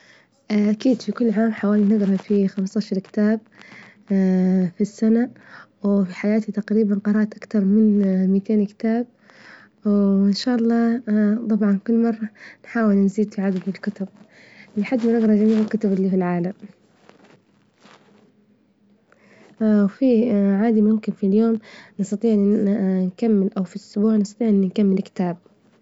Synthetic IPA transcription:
ʔakiːd̪fikʊlːʕaːmħawaːlinaɡɾɑfixamst̪aːʃɑɾˤkɪ̥t̪aːb̚ | fisːanawfiħajaːt̪it̪aqɾiːbanqɑɾˤɑːʔt̪ʔakt̪ɑɾˤmɪnmit̪eːnkɪ̥t̪aːb̚ | ɪnʃaːʔɑlˤːɑːt̪ˤɑbʕɑnkʊlːmɑrˤːɑnħaːwɪlnziːd̪fiʕad̪alɪlkʊt̪ʊb̚ | lɪħad̪ːmɪɾɑɣɾˤɑd͡ʒamiːʕɪlkʊt̪ʊbɪlːifilʕaːlam | wfiʕaːd̪imʊmkɪnfiljoːmnɨst̪ɑt̪ˤiːʕnkamːɪlʔawfiʔʊsbuːʕnɪst̪ɑ̥t̪iːʕʔɪnːnkamːɪlkɪ̥t̪aːb̚

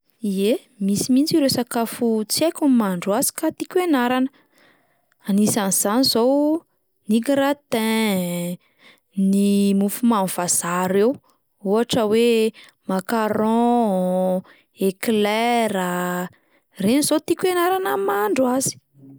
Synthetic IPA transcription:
ie | misimint͡siɾesakafut͡siajkʲumaɳɖ͡ʐwazi̥kat̪ikwenaɾanə | anisaniz̥anizow | nikiɾat̪ɛ̃ | nimufumanv̥az̥aɾew | uaʈ͡ʂəwe | makaɾɔ̃ | eklɛɾa | renizot̪ikwenaɾanəmaɳɖ͡ʐuazi̥

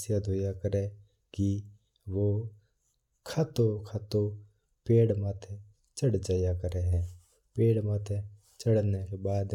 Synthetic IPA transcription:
sjad̪ʱojakəɾe | ki | ʋoː | kʰat̪okʰat̪o | peːɽmaːt̪ʰe | t͡ʃəɽd͡ʒaːjakəɾeɦɛ̃ː | peːɽmaːt̪ʰe | t͡ʃəɽnekebaːd̪

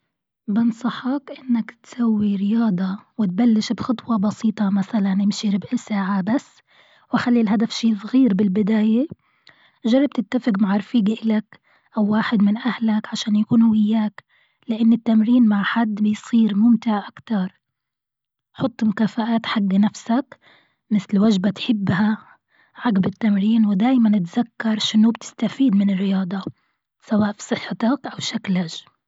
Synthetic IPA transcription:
bɪnsˤɑħɑkʔɪnːakt̪sawːiɾɪjɑːd̪ˤɑwɪt̪̚balːɪʃbxɑt̪ˤwɑbɑsiːt̪ˤɑmaθalanʔɪmʃiɾɪbʔɪsaːʕabasː | waxalːilɦad̪afʃiːsˤɣiːɾbɪlbɪd̪aːje | ʒɑrˤːɑb̚t̪ɪt̪ːafɪqmaʕɑɾˤfiːɡʔɪlak | ʔawːaːħɪd̪mɪnʔahlakʕaʃaːnjakuːnhʊwɪjːaːk | lɪʔanːɪt̪ːamɾiːnmaʕħad̪ːbɪjsˤiːɾmʊmt̪ɪʕʔakt̪ɑɾˤ | ħʊt̪ˤːmʊkaːfaʔaːt̪ħaɡːanafsak | mɪθlwaʒbat̪ħɪbːha | ʕaɡbɪt̪ːamɾiːnwɪd̪aːjmanʔat̪z̥akːɑɾˤʃɪnːubt̪ɪ̥st̪afiːd̪mɪnɪrːɪjɑːd̪ˤɑ | sawaːʔfi̥sˤɨħːt̪akʔawʃaklaʒ

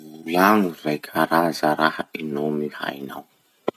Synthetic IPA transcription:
vulaŋuvajkʲʰaɾazaɾahəinomiha̰jna̰w

